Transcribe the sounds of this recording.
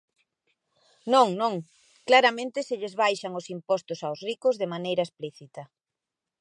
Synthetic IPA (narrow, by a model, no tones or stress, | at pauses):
nõŋnõŋ | klaɾamẽnt̪ɪsɪʎɪzβajʃaŋʊsimpɔst̪ʊsawsrikʊzðemanejɾɐespliθit̪ɐ